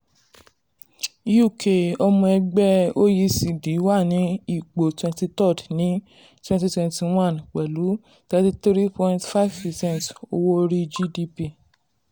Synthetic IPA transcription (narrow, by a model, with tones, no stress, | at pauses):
u˦˨kʰe˨ɔ˧mɔ̃˧ɛ˧ɡ͡bɛ˦o˦ji˧si˨di˨˦wa˦˨nĩ˨˦i˦˨k͡po˨twɛ̃˧nti˧tɔ˦˨tnĩ˨˦ | twɛ̃˧ti˧twɛ̃˧nti˧w̃ã˦˨nk͡pɛ˨lu˨˦ | ta˧ti˧t̪ɾi˦pɔ̃˧ĩ˧ntfa˦i˨vpɛ˨sɛ̃˦˨nto˧wo˦ɾi˦d͡ʒi˧di˧pi˧˨